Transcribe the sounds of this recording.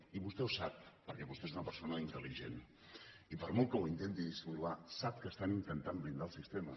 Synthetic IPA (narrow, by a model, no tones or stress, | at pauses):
iβust̪ɛwsap̚ːəɾkɛβust̪ezunəpəɾsonəint̪əliʒḛn | ipəɾmolˠkəwint̪ent̪iðisβulβasap̚kəst̪anint̪ənt̪ammind̪alˠsist̪emə